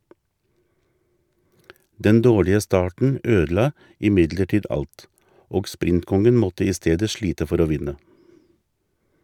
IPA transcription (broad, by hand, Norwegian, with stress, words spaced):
ˈdɛn ˈdoːɭɪə ˈstɑːʈɳ̩ ˈøːdl̩ˌɑː ɪˈmɪdləˌʈiːd ˈɑlt ˈoːɡ ˈspɾɪntˌkɔŋən ˈmɔtə ˈiː ˈsteːdə ˈʃɭiːtə ˈfɔɾ ˈoː ˈʋɪnə